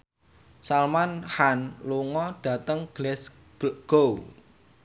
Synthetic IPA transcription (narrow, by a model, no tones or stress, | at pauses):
salmanhanluŋɔɖ̥ä̤t̪əŋɡ̥lɛs | ɡ̥ɡ̥ow